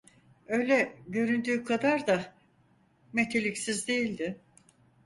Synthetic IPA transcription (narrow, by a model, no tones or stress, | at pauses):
ø̞jlʲɛɟø̞ɾynd̪yːkʰad̪aɾd̪a | met̪ʰe̞lʲicsizd̪ejilʲd̪ɪ